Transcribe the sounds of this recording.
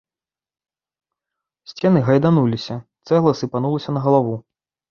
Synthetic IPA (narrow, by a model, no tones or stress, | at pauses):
sʲt͡sʲɛnɨɣɐjd̪anulʲisʲɐt̪sɛɣlˠɐsɨpan̪ulˠɐsʲɐnɐɣɐlˠavu